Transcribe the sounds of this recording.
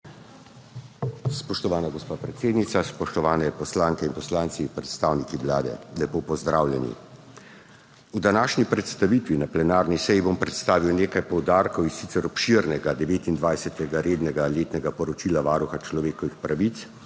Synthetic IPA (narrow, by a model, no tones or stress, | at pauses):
spɔʃt̪ɔʋaːnaɡɔspaːpɾɛt̪seːd̪nit̪saspɔʃt̪ɔʋaːnɛpɔslaːŋkɛinpɔslaːnt̪sipɾɛt̪st̪awnikiʋlaːd̪ɛ̰lɛpoːpɔzd̪ɾaːwljɛnḭ | ud̪anaːʃnipɾɛt̪st̪aʋit̪ʋinaplɛnaːɾnisɛjibompɾɛt̪st̪aːʋiwneːkajpɔwd̪aːɾkɔwinsit̪sɛɾɔpʃiːɾnɛɡad̪ɛʋeːt̪ind̪ʋajsɛt̪ɛɡaɾeːd̪nɛɡaleːt̪nɛɡapɔɾɔt͡ʃilaʋaːɾuxat͡ʃlɔʋeːkɔʋixpɾaʋit̪s